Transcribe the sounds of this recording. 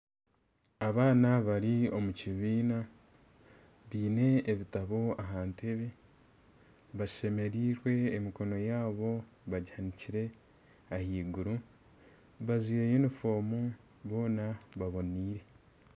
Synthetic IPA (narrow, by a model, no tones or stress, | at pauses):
aβaːnaβaɾio̞muciβiːna | βiːne̞ːβitaβo̞aɦaːnteβe | βaʃe̞me̞ɾiːɾwe̞ːmiko̞no̞jaːβo̞ | βaɟihaniciɾe̞ | ahiːɡuɾu | βaziːɾejenifo̞ːmu | βo̞ːnaβaβo̞niːɾe̞